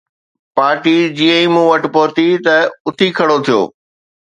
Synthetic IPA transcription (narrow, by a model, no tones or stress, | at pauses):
paːɾʈid͡ʑiːə̃ĩmũːʋɐʈ̆poːɾt̪it̪ɐʊt̪ʰikʰɐɽot̪ʰijo̰ː